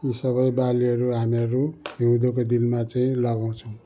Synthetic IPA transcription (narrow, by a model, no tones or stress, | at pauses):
isʌβʌjbaliʌɾuɦamiʌɾuɦiũd̪okod̪ilmat͡saĩlaɡaw̃t͡sʰʌw̃